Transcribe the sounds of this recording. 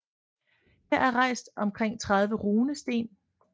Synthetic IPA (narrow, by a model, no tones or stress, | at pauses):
heɐæɐʁɑ̈ɪsd̥ɒ̽mkʰʁeŋ̰t͡sʰʁɑ̈ð̞ˠʋəʁuːnəsd̥e̝̰ːn